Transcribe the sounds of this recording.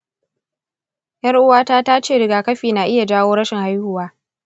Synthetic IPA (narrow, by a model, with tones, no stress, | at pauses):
jɐ˦rʔʊ˦waː˦taː˦ta˦t͡ʃeː˦˨ɽɪ˨ɡaː˨kɐ˦ɸiː˨na˨ʔɪ˦ja˨d͡ʒaː˦woː˦ɽɐ˦ʃɪ˨ŋha˦jhʊ˨waː˦